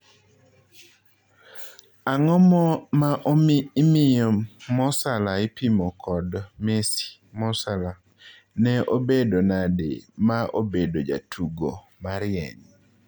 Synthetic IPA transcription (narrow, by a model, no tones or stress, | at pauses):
aŋɔmɔmaʔomːmɪjɔmɔsalaɪpimɔkʰɔdmesi̥ | mɔsala | nɛʔobedonadḛmaʔobedod͡ʒa̰tʰuɡo | maɾɪɛ̰ŋ